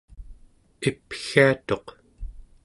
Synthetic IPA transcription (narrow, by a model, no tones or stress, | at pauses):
ipxiat̪o̞q